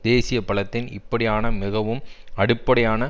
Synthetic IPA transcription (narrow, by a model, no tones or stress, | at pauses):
d̪eːsɪjɐpɐɭɐt̪ːɪnɪ̰pːɐɽɪjaːnɐmɪɣɐʋɯmɐɽɯpːɐɽɐjaːnɐ